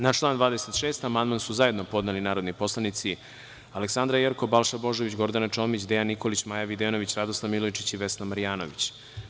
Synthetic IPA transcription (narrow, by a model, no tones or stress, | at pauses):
naʃt͡ʃlˠaːnd̪vaːd̪eset̪ʃe̞ːst̪amand̪mansuzaje̞d̪nopo̞d̪nelinaːɾod̪nipo̞slˠanit̪si | aleksand̪ɾajeɾko̞balˠʃabo̞ʒoʋit͡ɕɡo̞ɾd̪anat͡ʃoːmit͡ɕd̪ejanːiko̞lit͡ɕmajaʋid̪eno̞ʋit͡ɕɾad̪oslˠaʋmilojt͡ʃit͡ɕiʋe̞snamaɾijaːnoʋit͡ɕ